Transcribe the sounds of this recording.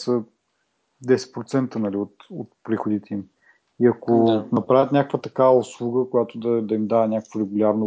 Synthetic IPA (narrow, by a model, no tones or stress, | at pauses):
sə | d̪ɛsɛ̥t̪̚pɾot̪sɛnt̪ənɐliot̪ot̪̚pɾixʊd̪it̪ɛim | iɐkonɐpɾavʲət̪nʲakəkvət̪ɐkavəʊslˠuɡəkʊjat̪od̪ɐd̪ɐimd̪avənʲakəkvoɾɛɡulʲaɾno